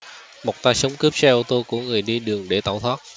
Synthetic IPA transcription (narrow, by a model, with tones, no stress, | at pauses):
mo˨˩k͡p̚t̪aː˧sə˨˦wŋ͡mkɨ˦˥p̚sɛ˧ʔu˧t̪o˧kṵ˧˩əŋɨ˨˩əjɗi˧ɗɨ˨˩əŋɗe˧˩t̪a̰ː˧˩wt̪ʰwaː˦˥t̚